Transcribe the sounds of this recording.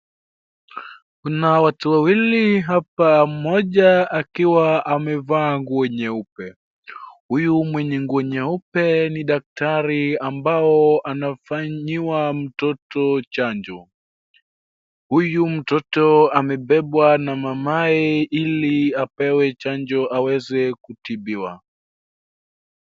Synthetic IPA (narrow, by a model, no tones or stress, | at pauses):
kunawatuwawiliɦap̚am̩mɔʄaakiwaamɛvaːŋɡuɛɲɛupɛ | hujumwɛɲɛŋɡuɛɲɛupɛniɗak̚taɾiambaɔanafaɲiwam̩tɔtɔt͡ʃaɲd͡ʒɔ | hujum̩tɔtɔamɛɓɛɓwanamamaɛiliapɛwɛt͡ʃand͡ʒɔʔawɛzɛkutiɓiwa̰